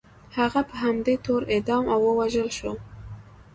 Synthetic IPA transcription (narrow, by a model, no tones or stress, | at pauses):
haɣapəɦamd̪et̪oɾed̪ɑmawːəwaʒəlʃo